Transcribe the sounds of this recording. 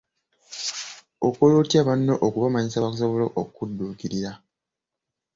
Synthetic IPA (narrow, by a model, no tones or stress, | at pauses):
okoloːtjaβanːoʔokuβamaɲisaβakus̬oβoloʔokːudːuːkiɾiɾa